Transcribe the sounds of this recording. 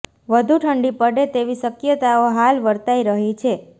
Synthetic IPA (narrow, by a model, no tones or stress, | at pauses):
ʋəd̪ʱuʈʰəɳɖipəɽet̪eʋiʃəkjət̪aoɦalʋəɾt̪aiɾəɦit͡ʃʰe